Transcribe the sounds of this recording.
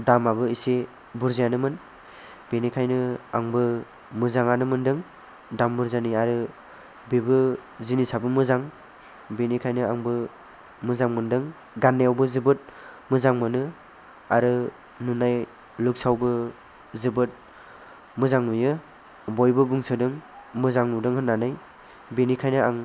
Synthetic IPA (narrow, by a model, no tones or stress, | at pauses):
damabɯise | buɾzijanɯmɯn | benikʰajnɯa̰ŋbɯ | mɯzaŋanɯmɯndɯŋ | dambuɾzaniaɾɯ | bibɯzinisabɯmɯzaŋ | benikʰajnɯaŋbɯ | mɯzaŋmɯndɯŋ | ɡanːejawbɯzɯbɯt̚mɯzaŋmɯnɯ | aɾɯ | nunaj | luk̚sawbɯ | zɯbɯt̚ | mɯzaŋnujɯ | bɔjbɯbuŋsɯdɯŋmɯzaŋnudɯŋɦɯnːanɯj | benikʰajnɯaŋ